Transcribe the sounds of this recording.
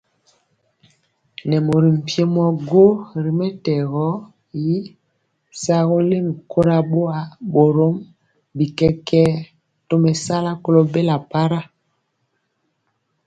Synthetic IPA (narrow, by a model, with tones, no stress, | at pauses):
nɛ˨mo˨ɾi˨m̩˨pje˦mɔ˦˨ɡo˦ɾi˨mɛ˦tɛ˨ɣɔ˦ | ji˦ | sa˦ɣo˦le˦mi˨kʰo˦ɾa˦ɓo˦a˨bo˨ɾo˦m | bi˨kɛ˦kɛ˦ | to˦mɛ˨sa˦la˦ko˦lo˦be˦la˨pa˦ɾa˦